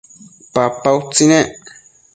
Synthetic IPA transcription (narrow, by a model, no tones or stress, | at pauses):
papawt͡sineʔ